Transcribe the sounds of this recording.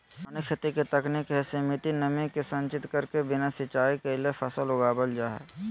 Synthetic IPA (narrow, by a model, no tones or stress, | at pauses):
ɐnekʰɪt̪iket̪ɐknɪkɦɛsemɪt̪inɐmẽkesɐ̃nt͡ʃɪt̪kɐɾkebɪnasɪt͡ʃaːikeɪlepʰɐsəlʊɡaːbəld͡ʒaːɦɛ̰